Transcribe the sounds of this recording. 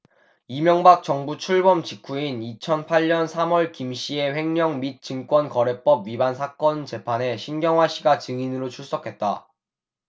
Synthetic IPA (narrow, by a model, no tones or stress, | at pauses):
imjʌŋbak̚t͡ɕʌŋbut͡ɕʰuɭbʌmt͡ɕikʰuinit͡ɕʰʌnpʰaʎɲʌnsʰamʌɭkimɕ͈ʰie̞ɸe̞ŋɲʌŋmit̚t͡ɕ͈ɯŋk͈wʌnkʌɾe̞p͈ʌbɥibansʰak͈ʌnt͡ɕe̞pʰane̞ɕʰinɡjʌŋɦwaɕʰiɡat͡ɕɯŋinɯɾot͡ɕʰuɭs͈ʌkʰe̞t̚t͈a